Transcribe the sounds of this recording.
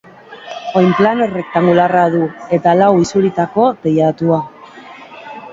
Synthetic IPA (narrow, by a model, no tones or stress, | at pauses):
ojmplanere̞k̚t̪aŋɡularaðue̞t̪alawisuɾit̪ako̞pejat̪ua